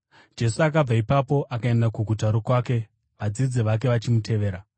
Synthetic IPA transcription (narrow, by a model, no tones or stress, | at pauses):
d͡ʒe̞suakab͡vaipapo̞ʔakae̞ndakuɡʱutaɾokwaːke̞ | ʋad͡zid͡ziʋak̬e̞ʋat͡ʃimutʰe̞ʋe̞ːɾa